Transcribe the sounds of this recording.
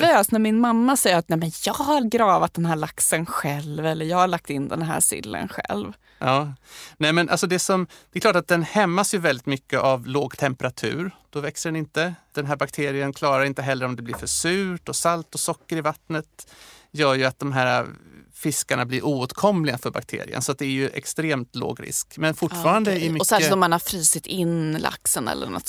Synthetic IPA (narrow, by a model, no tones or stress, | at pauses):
vøːsnæɾmɪnmamːasɛjəɾat̪̚nɛmɛnjɑːɡhaɾɡɾɑːvat̪̚d̪ɛnɦæːɭaksənɧɛlvɛlːəɾjɑːɡhaɭak̚t̪ɪnːd̪ɛ̰nɦæ̰ːɾsɪ̰lːə̰nɧɛ̰lv | ɑːnɛːmɛnʔa̰lsɔd̪ɛsɔmd̪ɛkʰlɑːʈat̪̚d̪ɛnhɛmːasjɵvɛld̪ɪt̪mʏkːəʔavloːɡt̪ʰɛmpəɾat̪ʰʉ̟̰ːɾd̪̥ɔvɛksəɖɛnɪnt̪əd̪̥ɛnɦæːɾbakt̪ʰeːɾɪənkʰlɑːɾaɾɪnt̪əɦɛlːəɾɔmd̪ɛblɪɾfœʂʉːʈɔsalt̪ɔsɔkːəɾɪvat̪nət̪jœːɾjɵat̪̚d̪ɔmɦæːɾafɪskaɳablɪɾʔuːoːt̪kʰɔmlɪɡafœɾba̰k̚t̪ʰḛːɾɪ̰ə̰nsɔat̪̚d̪ɛæɾjɵʔɛ̰kst̪ɾeːmt̪lo̰ːɡɾɪ̰skmɛnfʊʈːfɑːɾand̪əɪmʏsɛɔmanaɾfɾiːsɪt̪ɪnla̰ksənɛ̰lːə̰ɾna̰t̪